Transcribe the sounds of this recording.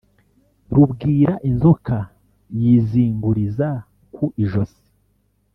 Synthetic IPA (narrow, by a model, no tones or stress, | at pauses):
ɾubɡiːɾaʔinzokʰa | jiːziːŋɡuɾiza | kʰuʔiʒosi̥